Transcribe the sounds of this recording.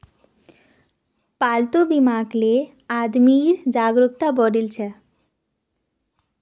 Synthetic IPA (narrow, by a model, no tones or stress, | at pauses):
palt̪obimaɡle | ad̪miɾd͡ʑaɡɾokt̪abɔɖilt͡ɕʰɛ